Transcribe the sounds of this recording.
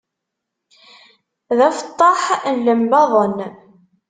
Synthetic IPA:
ðæfə̥t̪ˤːɑħlːəmbɑðˤən

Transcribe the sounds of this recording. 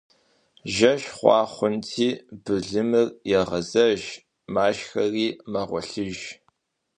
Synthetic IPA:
ʒɐʃχʷɑ̰ːχʷʊntʰiːbɨɮɨmɨrjɛʁɐzɐʒ | maːʃxɐriːmɐʁʷɔ̰ɬɨʒ

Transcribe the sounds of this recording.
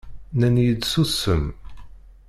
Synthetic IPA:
nænjəd̪susəm

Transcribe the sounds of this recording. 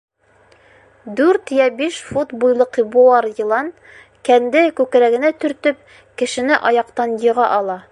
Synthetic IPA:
d̪ʉɾt̪jæbiʃfut̪bujlˠɤqibuɑɾjɤ̆lˠɑn | kænd̪ɘkʉkɾæɡɘ̆næt̪ɵ̆ɾt̪ɵp̚ | kɘ̆ʃɘ̆nɘʔɒjɑqt̪ɑnjɤ̆ʁɑʔɒlˠɑ

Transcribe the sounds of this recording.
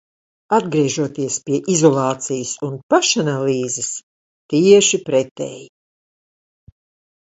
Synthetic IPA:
ad̪ɡɾiɛʒuɔt̪iɛspiɛʔizɔlˠɑːt̪sijsunpaʃanaliːzɨs | t̪iɛʃipɾɛt̪ɛ̰ji

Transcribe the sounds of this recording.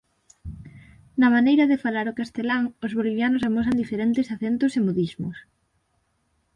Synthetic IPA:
nɐmanejɾɐðefalaɾokast̪elaŋozβoliβjanʊsamos̬and̪ifeɾent̪ɪsaθent̪ʊsemoðizmʊs

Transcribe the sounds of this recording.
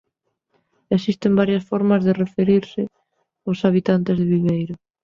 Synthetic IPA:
esist̪embaɾjɐsfɔɾmɐzðerefeɾiɾsɪ | osaβit̪ant̪ezðɪβiβejɾʊ

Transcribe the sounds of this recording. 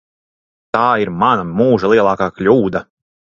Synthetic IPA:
t̪aːiɾmanamuːʒalˠiɛlˠaːkaːklʲuːd̪a

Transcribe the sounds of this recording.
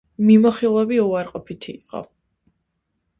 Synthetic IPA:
mimɔχilˠɛviuaɾqʼɔpʰit̪ʰiːqʼɔ̰

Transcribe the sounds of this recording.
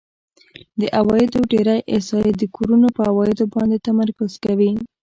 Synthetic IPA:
d̪əʔawɑjɪd̪oɖeɾajʔɪsɑjed̪əkʰoɾunopəawɑjɪd̪obɑnd̪et̪amaɾkʊz̥kawi

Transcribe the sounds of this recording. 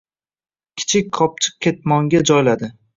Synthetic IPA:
kʲʰɪ̥t͡ʃʰɪk̚ʲqʰɒp̚t͡ʃʰɨ̥q̚kʲe̞t̪̚mɒŋɡʲad͡ʒɒjlad̪ɪ

